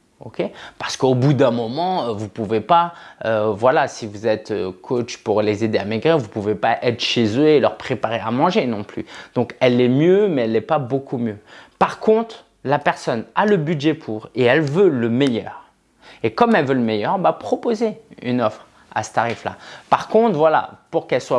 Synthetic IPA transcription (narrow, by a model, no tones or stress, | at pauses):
o̰kʲepaʁsə̥kəobud̪ɛ̃mɔmɑ̃vupuvepaøvwalasivuzɛt̪økʰot͡ʃpuʁlezed̪eamiɡʁevupuvepaʔɛt̪χəʃezøelœʁpχepaʁeamɑ̃ʒenɔ̃ply̰d̪̥ɔ̃kɛlːɛmjømɛɛlːɛpabokumjøpaʁkɔ̃t̪χ | lapɛʁsɔnaləbydʒɛpʰuːʁeɛlvøləmejœ̰ːʁ | ekɔmɛlvøləmɛjœʁbapχɔpozey̰nɔfχ | a̰sə̥t̪aʁifla̰paʁkɔ̃t̪χvwala̰puʁkɛlswa